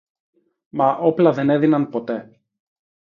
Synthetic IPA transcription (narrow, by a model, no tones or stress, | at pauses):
mɐʔo̞plɐðe̞ne̞ðinɐnpo̞t̪e̞